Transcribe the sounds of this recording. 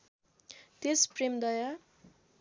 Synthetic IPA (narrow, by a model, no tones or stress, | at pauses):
t̪espremd̪ʌja